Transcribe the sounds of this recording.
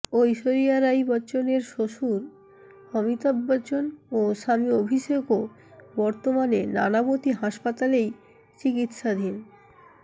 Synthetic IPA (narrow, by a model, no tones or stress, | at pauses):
ojʃoɾijaɾajbɔt͡ɕoneɾʃoʃuɾ | ɔmit̪ɔbːɔt͡ɕonoʃamiobʱiʃeko | bɔɾt̪omanenanabot̪iɦaʃpat̪alej | t͡ɕikit̪ʃad̪ʱin